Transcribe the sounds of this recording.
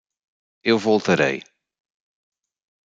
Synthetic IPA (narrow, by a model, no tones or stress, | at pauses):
ewvolˠt̪ɐɾɐ̰j